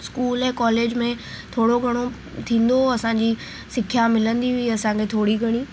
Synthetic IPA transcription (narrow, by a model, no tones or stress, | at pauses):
skuːlɛ̃ːkɔːleːd͡ʑmẽt̪ʰoːɽoɡʱɐɽ̃o | t̪ʰĩːn̆d̪oɐsãːɲd͡ʑiː | sɪkʰjamɪlə̃nd̪iɦiɐsãkʰet̪ʰoːɽiɡʱɐɽ̃iː